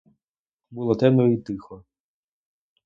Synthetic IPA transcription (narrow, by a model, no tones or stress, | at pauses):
bulˠɔt̪ɛnɔit̪ɪxɔ